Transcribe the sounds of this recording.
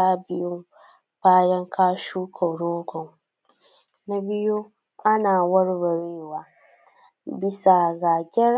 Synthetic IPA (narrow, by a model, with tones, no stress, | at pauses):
aː˦bɪ˦jʊ˦ | baː˦jɐ˦ŋkʰaː˦ʃuː˦kʰɔ˨ɾoː˦ɡʷɔ˨ŋ | na˦bɪ˦jo˦ | ʔa˦naː˨wɐ˦ɾbɐ˨ɾeː˦waː˨ | bɪ˦sa˨ɡa˨ɡʲɛ˦